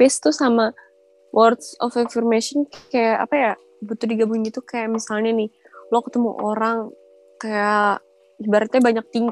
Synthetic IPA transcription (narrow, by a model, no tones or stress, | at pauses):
pɛst̪usama | wʔɔrt̪sɔfafirmesɔnkajaʔa̰paja | but̪ʊdiɡabuŋnɡit̪ukajaʔmisalɲanɪ | lokət̪əmṵʔoɾaŋ | kaja | baɾat̪ɲabaɲak̚t̪iŋɡ